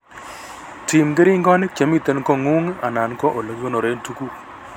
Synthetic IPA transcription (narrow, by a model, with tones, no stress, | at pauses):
ti˨mɡɪ˦ɾɪ˦ŋɡɔ˦n˦t͡ʃe˨mi˦˨t̪e˦n˦kɔ˦˨ŋu˦ŋa̰˨na˨nkɔ˦ʔo˨lo˨ɡo˦no˨ɾe˨˦ntu˦ku˦